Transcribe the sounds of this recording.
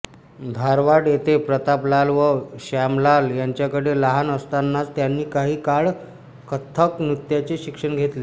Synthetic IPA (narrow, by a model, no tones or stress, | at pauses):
d̪ʱaɾʋaɽjet̪epɾət̪aplalʋəɕamlaljaɲt͡ɕjakəɽelaɦanəst̪anːat͡st̪janːiːkaɦiːkaɭ | kʰət̪ʰːəknut̪jat͡seɕikʂəɳɡʱet̪le